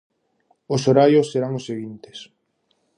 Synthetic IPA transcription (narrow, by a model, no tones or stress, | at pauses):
ʊsoɾajosːeɾaŋosːeɣint̪e̥s